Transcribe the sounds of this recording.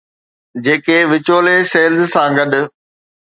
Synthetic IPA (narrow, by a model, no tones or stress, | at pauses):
d͡ʑeːkeʋɪt͡ɕoːleseːlzsãɡɐɗʊ̆